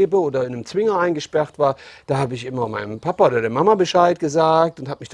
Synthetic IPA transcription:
bəoːdɐɪnəmt͡sv̥ɪŋɐaɪnɡəʃpɛʁtv̥aːɐd̥aːhaːbəɪçʔɪmɐma̰ɪnəmpʰapaoːdɐdeːɐmamabəʃaɪt̚ɡ̥əzaːk̚tʊnthaːbmɪç̥

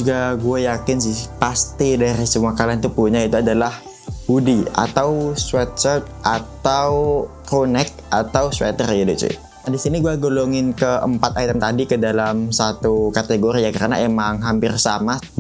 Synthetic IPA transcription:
d͡ʒuɡaɡuajakɪnsɪhpast̪idaɾisəmuakalant̪upuɲait̪uadalah | hudia̰t̪awswɛt̪̚t͡ʃɛt̪̚ʔat̪awkɾonɛk̚at̪awswɛ̰t̪ərid̪ut͡ʃɪ̰ | nadisiniɡuaɡoloŋɪnkəʔəmpat̪̚ajt̪ɛmt̪adikədalamsat̪ukat̪eɡoɾiakəɾana̰ʔemaŋɦampɪrsama

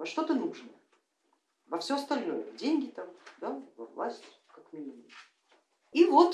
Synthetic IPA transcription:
vɐʂt̪o̞t̪ənuʐnə | vɐfsʲoɐst̪ɐlʲno̞jədʲenʲɡʲɪt̪amd̪avɐ̰vlˠa̰sʲtʲ | kakmʲɪivʲi | ivo̞t̪

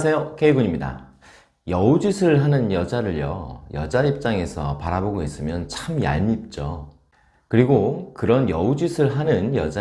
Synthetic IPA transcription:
sʰejokʰeiɡuɲimɲida̰ | jʌud͡ʑisʰɯɯɭɦanɯnjʌd͡ʑaɾɯɭjʌ̰jʌ̰d͡ʑaip̚t͡ɕ͈aŋe̞sʰʌ̰paɾaboɡois͈ɯmjʌnt͡ɕʰamja̰ɭmip̚t͡ɕ͈o | kɯɾiɡokɯɾʌnjʌud͡ʑisʰɯɭɦanɯnjʌ̰d͡ʑa

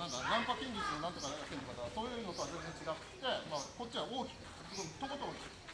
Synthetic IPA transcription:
nãŋkanãmpakʲĩɲʲɡʲit͡sɨnonãnt̪o̞kaɾaat̪enːokat̪aβaso̞ːjɯno̞t̪oazẽnd͡zẽ̞ɲ̟t͡ɕiɡat̪t̪e̞mako̞t̚ʲt͡ɕ͈ːiɡaoːkʲi̥kɯ̟akod̪ot̪ːokot̪ooːk̪ʲi̥

